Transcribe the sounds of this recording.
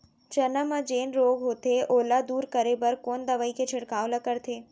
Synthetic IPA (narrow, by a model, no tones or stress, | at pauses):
t͡ʃənəmad͡ʒeːnɾoːɡɦot̪ʰeʔoːlad̪uːɾkəɾebəɾkond̪əʋaiket͡ʃʰɪɽkaʋləkəɾt̪ʰeː